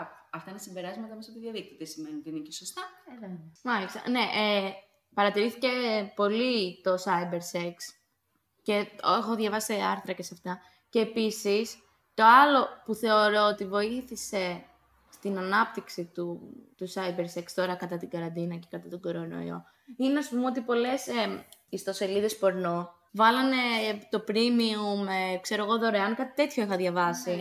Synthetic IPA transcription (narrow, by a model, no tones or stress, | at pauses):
ɐft̪ɐinesimbe̞ɾɐzmɐt̪ɐemesɐt̪iðjɐðik̚t̪it̪esimeninot̪iinecesost̪ɐ | mɐlist̪ɐ̰ne̞ʔe | pɐɾɐt̪iɾiθice̞po̞lit̪o̞sɐjbe̞ɾseks | ce̞oxo̞ðʝɐvɐsieɐ̰ɾθɾɐcesɐft̪ɐ | ce̞ːpisis | t̪o̞ɐlo̞puθe̞o̞ɾo̞ot̪ivo̞iθise̞ | st̪inɐnɐp̚t̪iksit̪ut̪usɐjbeɾsekst̪o̞ɾɐkɐt̪ɐt̪iɡɐɾɐnd̪inɐce̞̥kɐt̪ɐt̪oɡo̞ɾo̞no̰ḭo̰ | ineɐspumeo̞t̪ipo̞le̞seist̪o̞se̞liðe̞spo̞ɾno | vɐlɐne̞t̪o̞pɾimiumekse̞ɾo̞ɣo̞ðo̞ɾeɐŋkɐt̪i̥t̪e̞t̪ço̞ixɐðʝɐvɐsi